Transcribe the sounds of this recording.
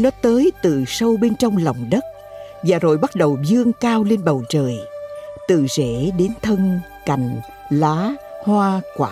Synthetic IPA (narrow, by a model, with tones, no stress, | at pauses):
nɔ˨˦t̪əː˨˦jt̪ɨ˨˩sə˧wɓe˧nt͡ɕɔ˧wŋ͡mlɔ˨˩wŋ͡mɗə˦˥t̚ | vaː˨˩zo˨˩jɓa˦˥t̚ɗə˨˩wzɨ˧əŋkaː˧wle˧nɓə˨˩wt͡ɕəː˨˩jt̪ɨ̰˧˨ze˧˩˨ɗe˨˦nt̪ʰə˧n | ka˨˩jŋ̟ | laː˨˦hwaː˧kwaː˧˩